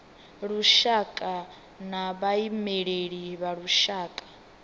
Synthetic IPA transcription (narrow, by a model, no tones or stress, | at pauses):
ɺuʃakʼa | naβaimɛɺeɺiβaɺuʃaːkʼḁ